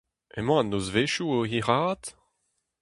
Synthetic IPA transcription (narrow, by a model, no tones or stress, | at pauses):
ḛmɑ̃anozveʃuohiʁaːt